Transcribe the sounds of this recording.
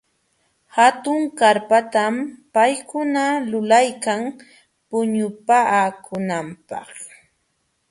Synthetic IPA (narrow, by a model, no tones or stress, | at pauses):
hat̪ʊŋkaɾpat̪ampajkʊnalʊlajkaŋ | pʊɲʊpakʰʊnampɑ̰χ